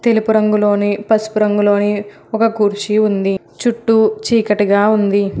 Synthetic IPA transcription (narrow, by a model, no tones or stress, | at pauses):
t̪e̞lupuɾɐŋɡulo̞ːnipɐspuɾɐŋɡulo̞ːni | ɔkɐkuɾt͡ʃiund̪i | t͡ʃuʈːut͡ʃiːkɐʈɐɡaːund̪i